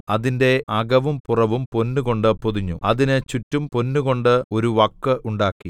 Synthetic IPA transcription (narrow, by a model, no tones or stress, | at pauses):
ɐðinde̞ɐɡɐʋumpurɐʋumpo̞nːuɣo̞ɳɖɨpoðiɲːuɐðinɨt͡ɕutːumpo̞nːuɣo̞ɳɖɨo̞ɾuʋɐkːɨʔuɳɖaːkːi